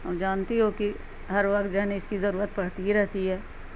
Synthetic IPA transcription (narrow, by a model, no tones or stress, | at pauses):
ɦəmd͡ʒaːnt̪eɦoki | ɦɐɾʋɐkt̪̚d͡ʒɛɦneɪskizɐɾuːɾət̪̚pɐɽ̤t̪iɾɛɦt̪iɦɛː